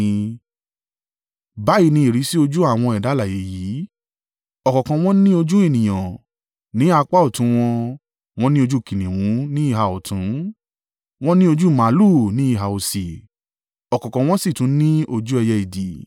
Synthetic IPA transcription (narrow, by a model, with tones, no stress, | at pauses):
ba˦i˦˧nĩ˧i˨ɾi˨˦si˦o˧d͡ʒu˦a˦˨w̃ɔ̃˧ɛ˨da˨˦la˨je˨˦ji˨˦ | ɔ˨kɔ̃˨kã˧w̃ɔ̃˦nĩ˦o˧d͡ʒu˦e˦˨nĩ˨j̃ã˨ | nĩ˨˦a˧k͡pa˦o˦˨tũ˨˦w̃ɔ̃˧ | w̃ɔ̃˦nĩ˦o˧d͡ʒu˦˨kĩ˨nĩ˨wũ˨˦nĩ˦i˦˨ɦa˨o˨tʰũ˨˦ | w̃ɔ̃˦nĩ˦o˧d͡ʒu˦˨mã˨˦lu˦˨nĩ˨˦i˦˨ɦa˨o˨si˨ | ɔ˨kɔ̃˨kã˨˧w̃ɔ̃˦si˦˨tũ˨˦nĩ˦o˧d͡ʒu˦ɛ˧jɛ˧i˨di˨